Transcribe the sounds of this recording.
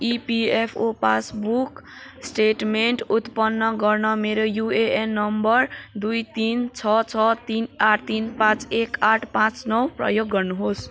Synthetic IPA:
ipiepʰopa̰sbuksʈeʈmeɳʈut̪pʌnːʌɡʌrnʌmeɾojueenːʌmbʌrd̪ujt̪int͡sʰʌt͡sʰʌt̪inaʈʰt̪inpãt͡sekaʈʰpãt͡snʌwprʌ̰joɡːʌrnuɦos

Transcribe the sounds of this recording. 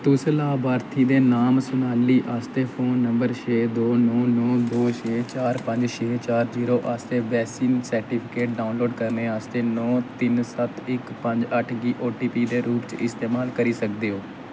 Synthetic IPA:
t̪ʊslaːbaːɾt̪ʰiːd̪eːnaːmsʊnaːliːʔaːst̪eːpʰoːnːəmbəɾt͡ʃʰeːd̪oːnɔːnɔːd̪oːʃʰeːt͡ʃaːɾpəɲd͡ʒt͡ʃʰeːt͡ʃaːɾziːɾoːʔaːst̪eːʋɛːsiːnsəɾʈiːpʰɪkeːʈ̚ɖaːʊnloːɖkəɾneːaːst̪eːnɔːt̪ɪnsət̪ʰɪkpəɲd͡ʒəʈʰɡiːʔoːʈiːpiːd̪eːɾuːpt͡ʃɪst̪eːmaːlkəɾiːsəkd̪eːɦoː

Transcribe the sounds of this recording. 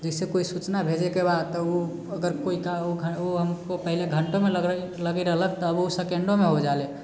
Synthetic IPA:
d͡ʒɛɪsekoisut͡ʃnabʱed͡ʒekebad̪t̪ɔu | əɡəɾkoikaoɡʱəoɦəmkopəɦileɡʱəɳʈõmeləɡ | ləɡɛɾəɦlək̚t̪ɔəbosekeɳɖomeɦod͡ʒale

